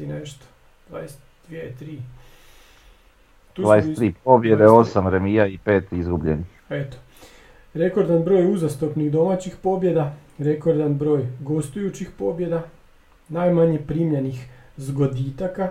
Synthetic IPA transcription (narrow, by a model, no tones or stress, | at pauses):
ineʃt̪o̥ | d̪ʋa̰ːjest̪d̪̥ʋjet̪ɾiː | d̪uvaːjest̪ːɾiːpobjed̪eo̞samɾemiːjaipeːt̪izɡubʎḛnixet̪o̥ | ɾe̞ko̞ɾd̪anbɾo̞ːjuzast̪opnixd̪o̞mat͡ɕixpo̞bje̞d̪aɾe̞ko̞ɾd̪anbɾo̞ːjɡo̞st̪ujut͡ɕixpo̞bje̞d̪a | naːjmaɲe̞pɾiːmʎenixzɡo̞d̪it̪aka